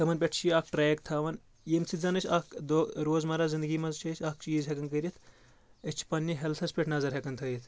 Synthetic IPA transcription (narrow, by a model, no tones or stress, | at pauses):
k̪ɐmɐnpʲeʈʰt͡ʃʰiɐːk̚ʈɾeːkt̪ʰaːʋɐn | jemsʰizɐnɨt͡ʃʰʲɐkd̪oːɾoːzmɐɾaːzind̪ɨɡiːmɐzt͡ʃʰɐt͡ʃʰʲɐk̚t͡ʃiːzɦekɐnkəɾʲit̪ʰ | ət͡ʃʰi̥pɐnːiɦelt̪ʰɐspʲeʈʰnɐzɐɾɦekɐnt̪ʰɐːjit̪ʰ